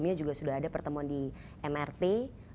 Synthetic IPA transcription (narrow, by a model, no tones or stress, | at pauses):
miɲad͡ʒuɡasudaɦadapərt̪əmuandi | ʔɛmɛrt̪e